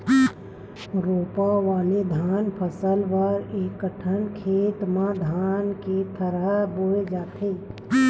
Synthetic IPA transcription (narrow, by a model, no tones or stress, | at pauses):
ɾoːpaʋaːled̪ʱaːnpʰəsəlʋəɾekːəʈʰənkʰeːt̪mãd̪ʱaːnket̪ʰəɾəboːed͡ʒaːt̪ʰeː